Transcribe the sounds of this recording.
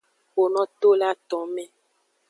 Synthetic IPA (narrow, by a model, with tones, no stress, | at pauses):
wo˨nɔ̃˦t̪o˦la˦t̪ɔ̃˨˦mɛ̃˦